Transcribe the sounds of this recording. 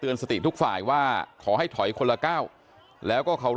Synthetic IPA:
t̪ɯ˧ənsa˧t̪i˨˩t̪ʰu˦˥k̚fa̰ː˨˩jwaː˥˩kʰɔː˩˦ɦa˥˩jt̪ʰɔ˩˦jkʰo˧la˧kaː˥˩w | lɛː˦˥wkɔː˥˩kʰa˦˥wɾ

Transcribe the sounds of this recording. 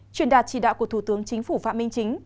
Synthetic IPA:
t͡ɕwi˧˨˩ənɗaː˨˩t̚t͡ɕḭ˧˩ɗa̰ː˧˨wku˧˩ət̪ʰu˧˩t̪ɨ˨˦əŋt͡ɕï˨˦ŋ̟fu˧˩fa̰ː˧˨mï˧ŋ̟t͡ɕï˨˦ŋ̟

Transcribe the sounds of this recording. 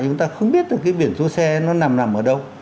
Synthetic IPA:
t͡ɕʊ˨˦ŋ͡mt̪aː˧xə˧wŋ͡mɓi˦˥t̚t̪ɨː˨˩kaː˨˦jɓi˧˩ənzo˨˦sɛ˧nɔ˨˦na˨˩mna˨˩mʔəː˧˩ɗə˧w

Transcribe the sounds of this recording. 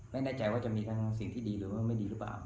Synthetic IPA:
ma˥˩daː˥˩t͡ɕa˧jwaː˥˩t͡ɕa˨˩miː˧t̪ʰa˦˥ŋ˧si˨˩ŋt̪ʰiː˥˩diː˧ɾɯː˩˦mː˥˩ŋma˥˩jdiː˧ɾɯː˦˥pla̰ː˨˩w

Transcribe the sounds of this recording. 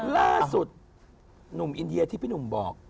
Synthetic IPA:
laː˥˩su˨˩t̪̚ | nu˨˩˦mʔi˧ndi˧ɐ˧t̪ʰiː˥˩pʰiː˥˩nu˨˩˦mbɔː˨˩k̚

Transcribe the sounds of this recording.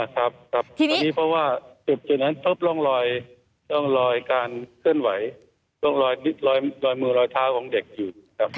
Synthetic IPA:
a˧˩kʰa˦˥p̚kʰɾa˦˥p̚ʰːniː˦˥pʰɾɔ˦˥waː˥˩t͡ɕe˨˩p̚t͡ɕo˨˩na˦˥np̪ʰɤː˦˥˩p̚lɔː˥˩ŋɾɔː˧j | lɔː˥˩ŋɾɔː˧jkaː˧nkʰɯ˥˩ənwa˩˦j | lɔ˥˩ŋɾɔː˧jni˦˥t̪̚lɔː˧jlɔː˧jmɯː˧ɾɔː˧jt̪ʰaː˦˥˩wkʰɔː˨˩˦ŋde˨˩k̚juː˨˩˦kʰa˦˥p̚

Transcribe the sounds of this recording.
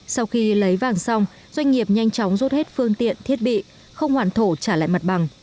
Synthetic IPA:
sa˧wxi˧lə˨˦jvaː˨˩ŋsa˧wŋ͡m | zwa˧jŋ̟ŋi˨˩əp̚ɲa˧jŋ̟t͡ɕɔ˨˦wŋ͡mzo˦˥t̚he˦˥t̚fɨ˧əŋt̪ḭ˧˨ənt̪ʰi˦˥ət̚ɓḭ˧˨ | xə˧wŋ͡mhwaː˧˩nt̪ʰo˧˩t͡ɕaː˧˩la̰ː˧˨jma˨˩t̚ɓa˨˩ŋ

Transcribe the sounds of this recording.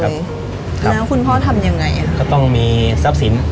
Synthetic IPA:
kʰlɛː˦˥wkʰu˧npʰɔː˥˩t̪ʰa˧mja˧ŋːa˧jʔa˧kɔ˥˩t̪ɔ˥˩ŋmiː˧sa˦˥p̚si˩˦n

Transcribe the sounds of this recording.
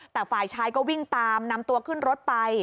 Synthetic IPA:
t̪ɛː˨˩faː˨˩jt͡ɕʰaː˦˥jkɔː˥˩wi˥˩ŋt̪aː˧mna˧mt̪u˧ɐkʰɯ˥˩nɾo˦˥t̪̚pa˧j

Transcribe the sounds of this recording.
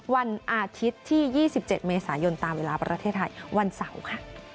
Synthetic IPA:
wa˧nʔaː˧t̪ʰi˦˥t̪ʰːiː˥˩jiː˥˩si˨˩p̚t͡ɕe˨˩t̪̚meː˧saː˩˦jo˧nt̪aː˧mweː˧laː˧pɾa̰˧t̪ʰeː˥˩t̪ʰːa˧jwa˧nsa˩˦wkʰa˥˩

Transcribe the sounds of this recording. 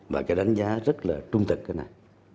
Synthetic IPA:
vaː˨˩kaː˨˦jɗa˨˦ŋ̟zaː˨˦zə˦˥t̚laː˨˩t͡ɕʊ˧ŋ͡mt̪ɨ˨˩k̚kaː˨˦jna̰˨˩j

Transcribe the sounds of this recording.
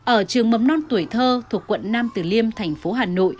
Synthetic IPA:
ʔəː˧˩t͡ɕɨ˨˩əŋmə˨˩mnɔ˧nt̪u˧˩əjt̪ʰəː˧t̪ʰu˨˩əkːwə̰˧˨nnaː˧mt̪ɨ˨˩li˧əmt̪ʰɛ˨˩jŋ̟fo˨˦ɦaː˨˩no̰˧˨j

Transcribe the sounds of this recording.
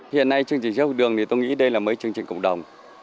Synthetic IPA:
hḭ˧˨ənːa˧jt͡ɕɨ˧əŋt͡ɕi̟˨˩zaː˧˦˥thu˨˧˩ɗɨ˨˩əŋt̪i˨˩t̪o˧jŋḭ˧˥ɗə˧jlaː˨˩məː˨˦jt͡ɕɨ˧əŋt͡ɕï˨˩ŋ̟kə̰˧˨wŋ͡mɗə˨˩wŋ͡m

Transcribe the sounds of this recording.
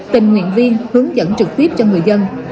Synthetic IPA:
t̪i˨˩mŋwḭ˧˨ənvi˧ənhɨ˨˦əŋzə̰˧˥nt͡ɕɨ˨˩k̚t̪i˦˥p̚t͡ɕɔ˧ŋɨ˨˩əjzə˧n

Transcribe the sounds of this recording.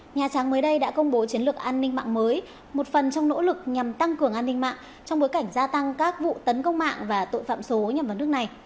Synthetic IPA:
ɲaː˨˩t͡ɕaː˨˦ŋməː˨˦jɗə˧jɗa̰ː˧˥kə˧wŋ͡mɓo˨˦t͡ɕi˨˦ənlɨ˨˩ək̚ʔaː˧nːï˧ŋma̰ː˧˨ŋməː˨˦j | mo˨˩t̚fə˨˩nt͡ɕɔ˧wŋ͡mno̰˧˥lɨ˨˩k̚ɲa˨˩mt̪a˧ŋkɨ˨˩əŋʔaː˧nːi˧ŋ̟ma̰ː˧˨ŋ | t͡ɕɔ˧wŋ͡mɓo˨˦jka˧˩jŋ̟zaː˧t̪a˧ŋkaː˦˥k̚vṵ˧˨t̪ə˨˦nkə˧wŋ͡mma̰ː˧˨ŋvaː˨˩t̪o̰˧˨jfa̰ː˧˨mso˨˦ɲa˧˨˩mvaː˨˩nɨ˦˥ək̚na˨˩j

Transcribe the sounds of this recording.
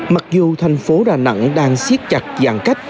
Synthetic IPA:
ma˨˩k̚zu˨˩t̪ʰa˨˩jŋ̟fo˨˦ɗaː˨˩nə̰˧˥ŋɗaː˧ŋsi˦˥ət̚t͡ɕa˨˩t̚zaː˨˩ŋka˦˥jk̟̚

